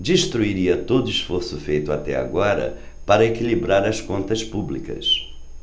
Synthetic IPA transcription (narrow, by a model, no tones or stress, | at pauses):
d͡ʒiʃt̪ɾuiɾiɐt̪od̪ʊisfoɾsʊfejt̪ʊat̪ɛa̰ɡɔɾɐ̰ | paɾɐekilibɾaɾɐskõnt̪ɐspublikɐ̰s